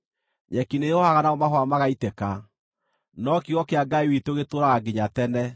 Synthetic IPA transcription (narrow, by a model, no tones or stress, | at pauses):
ɲɛkineohaɣanaomaɦwamaɣaitɛka | nɔkiɣɔkeaɡaiwiteoɣetoɾaɣaɡiɲatɛnɛ